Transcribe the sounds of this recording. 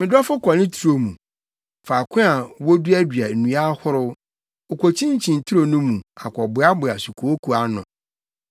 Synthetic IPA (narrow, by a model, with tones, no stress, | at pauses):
mɪ̃˨dɔ˦fʊ˦kʰɔ˨nɪ̃˦tʰu˨˦ɾo˨mũ˨ | fa˨kʰʊ̃˦a˨wɔ˦du˦æ˦dɥa˨nũ˨˦a˦hʊ˦ɾʊ˦ | o˨kʰʷo˨t͡ɕʰĩ˦ɲ˦t͡ɕʰĩ˨n˨tʰu˦ɾo˨nũ˦mũ˨a̰˨kʰʷɔ˨bʊ˨˦a˦bʊ˨a˨su˨kʰo˨o˦kʰu˨a˨nʊ̰̃˨